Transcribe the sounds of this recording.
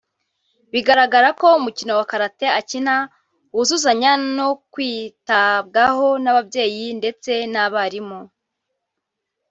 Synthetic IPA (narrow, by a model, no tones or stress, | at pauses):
βiɡaɾaɡaɾako̞umucino̞wakaɾate̞acina | uuzuzaɲanokwiːtab̚ɡaho̞naβabje̞ːjinde̞t͡se̞naβaɾimo